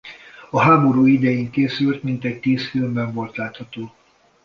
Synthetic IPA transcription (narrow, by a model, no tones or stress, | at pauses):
ɒɦaːbo̞ɾuːid̪ɛjeːŋkeːsylt̪mint̪ɛc̚t̪iːsfilmbɛɱvo̞lt̪laːt̪hɒt̪oː